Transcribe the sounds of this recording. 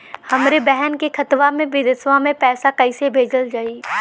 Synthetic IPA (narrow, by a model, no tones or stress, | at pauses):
hɐmɾebɛɦɛnkekɐt̪ʋamẽbɪd̪əsʋãmẽpɛːsakɐɪsebʱeːd͡ʒəld͡ʒaːiː